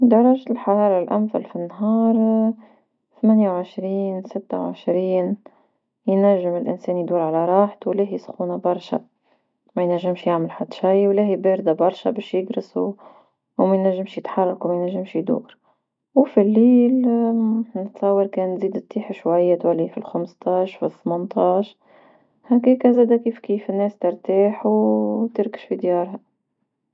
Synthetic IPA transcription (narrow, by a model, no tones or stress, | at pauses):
d̪ɑɾˤɑʒlħɑɾˤɑːɾˤɑlʔæmθa̰lfinːɦɑːɾˤ | θmæːnjawʕɪʃɾiːnsɪt̪ːawʕɪ̰ʃɾiːn | jnæʒːɪmɪlʔɪ̰nsɛːnjd̪uːɾʕalaɾˤɑːħt̪wlæːɦisxuːnabɑɾˤʃa̰ | mæjnæʒːɪmʃjaʕməlħad̪ːʃajwlæhibeːɾd̪abɑɾˤʃabɛːʃjɪɡɾɪsu | mæjnæʒːɪmʃjət̪ħɑrˤːɑkwmæjnæʒːɪmʃjd̪ṵːɾ | wfilːiːl | nət̪sˤɑwːɑɾkɛːnːziːd̪t̪ːiːħaʃwæjːat̪wælifilxamst̪ɑːʃfiθmɑnt̪ˤɑːʃ | hækiːkæzæːd̪ækiːfkiːfɪnːɛːst̪ɪɾt̪aːħwt̪əɾkə̥ʃfid̪jɑːɾˤha